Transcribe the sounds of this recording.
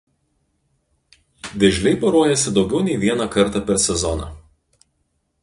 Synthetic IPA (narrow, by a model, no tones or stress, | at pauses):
ʋ̪ʲɛʒʲlʲɛɪpɐɾoːjɛsʲɪd̪ɒʊɡʲɛʊnʲɛɪʋʲiɛnɑkɐɾt̪ɑpʲɛɾsʲɛzɔnɑ̰